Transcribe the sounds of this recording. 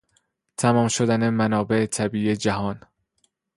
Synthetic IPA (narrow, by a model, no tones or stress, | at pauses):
t̪ʰæmɒːmʃod̪æne̞mænɒːbeʔet̪ʰæbiːed͡ʒæɦɒːn